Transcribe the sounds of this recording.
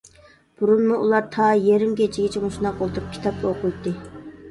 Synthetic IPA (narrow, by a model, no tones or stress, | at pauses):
b̥uɾunmuʔulˠɑɾt̪ʰɑːjeɾɪmkʲet͡ʃʰiɡʲɛt͡ʃʰimuʃunɑqolˠt̪ʰuɾup̚kʲʰi̥t̪ʰɑp̚koqʊjt̪ːɨ